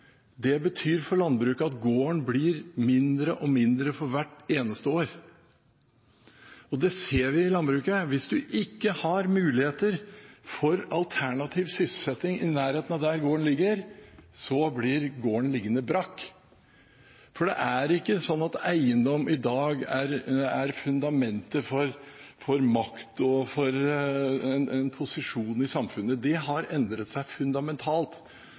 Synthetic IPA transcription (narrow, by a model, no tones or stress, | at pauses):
d̪ɛbət̪ʰyːɾfɔɾɭɑnbɾʉːkɑt̪ɡoːəɳblɪɾmɪnd̪ɾəʔɔmɪnd̪ɾəfɔɾʋæʈːeːnəst̪əoːɾ | ɔd̪ɛseːɾʋɪɪlɑnbɾʉːkəʋɪsd̪ʉʔɪkːəhɑɾmʉːlɪheːt̪əɾfɔɾɑlt̪ʰæɳɑt̪ʰiːʋsʏsl̩sɛt̪ːɪŋɪnæːɾheːt̪ənɑd̪æɾɡoːəɳlɪɡːəɾsɔblɪɾɡoːəɳlɪɡːənəbɾɑkː | fɔɖɛ̰ʔæɾɪkːəsɔnːɑt̪æɪənd̪ɔmɪd̪ɑːɡæɾæɾfʉnd̪ɑmɛnt̪əfɔɾfɔɾmɑkt̪ɔfɔɾ | ɛnɛnpʰʊsɪʂuːnɪsɑmfʉnːəd̪ɛɦɑɾɛnd̪ɾət̪sæɪfʉnd̪ɑmɛnt̪ʰɑːlt̪